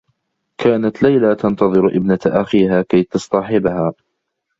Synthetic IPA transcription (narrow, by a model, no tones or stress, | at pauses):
kʰaːnat̪lajlat̪ɑnt̪ɑðˤɨɾʔɪbnat̪ʔaxiːɦaːkajt̪ɑsˤt̪ɑħɪbhaː